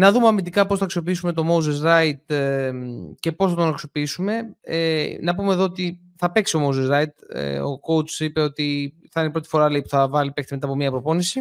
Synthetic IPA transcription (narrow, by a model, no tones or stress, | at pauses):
nɐðumeɐmind̪ikɐpo̞sθɐksio̞piisume̞t̪o̞mouzezɾɐit̪mce̞po̞sθɐt̪onɐksiopiisume̞enɐpumeðo̞ot̪i | θɐpe̞ksio̞mouzezɾɐit̪ḛo̞̰ko̞ut͡sipe̞o̞t̪iθɐinepɾo̞t̪ifo̞ɾɐleipu̥θɐvɐlipe̞k̚t̪imet̪ɐpo̞miɐpɾo̞po̞nisi